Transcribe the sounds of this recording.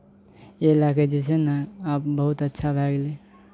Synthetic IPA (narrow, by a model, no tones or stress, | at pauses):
elaked͡ʒesenaap̚bəɦut̪ətːʃʰabʱaɡle